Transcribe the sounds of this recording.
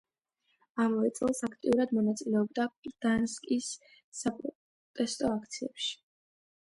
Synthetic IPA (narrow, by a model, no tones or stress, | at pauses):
amvɛt̪sʼɛlˠsakʰt̪ʼiuɾad̪mɔnat̪sʼilɛɔbd̪ad̪̥anskʼisː | apʼɾɔ | t̪ʼɛst̪ʼɔakʰt̪sʰiɛpʃi̥